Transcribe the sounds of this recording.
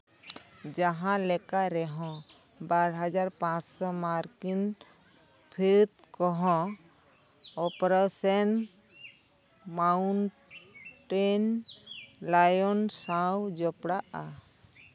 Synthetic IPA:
d͡ʒaɦãlɛkaɾɛɦɔ̃ | baɾɦad͡ʒaɾpãt͡ʃsɔmaɾkin | pʰet̪̚kɔɦɔ̃ | ɔpɾasɛn | maun | ʈen | lajɔnsãwd͡ʒɔpɽaʔa

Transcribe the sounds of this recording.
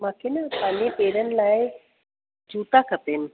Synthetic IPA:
mãːkʰenəpãːlepeːɾənɪ̆laːɪ | d͡ʑuːt̪akɐt̪enɪ̆

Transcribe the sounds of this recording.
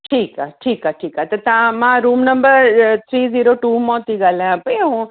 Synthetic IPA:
ʈʰiːkaʈʰiːkaʈʰiːkat̪ɐt̪ãmãɾuːmnəmbəɾt̪ʰɾiːziːɾoʈuːmɔ̃t̪iɡaːljãpeũ

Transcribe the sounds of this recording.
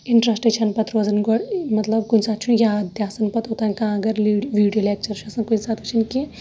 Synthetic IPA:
iɳʈɾasʈekt͡ʃʰɐnpɐt̪ɾoːzɐnɡoɽmɐt̪lɐbkunsaːt̪̚t͡ʃʰunjad̪ʱjaːsɐnpɐt̪ot̪ankãːɡɐɾliʋiɖijoleːk̚t͡ʃɐɾt͡ʃʰɐsɐnkunsaːt̪ʰut͡ʃʰinki

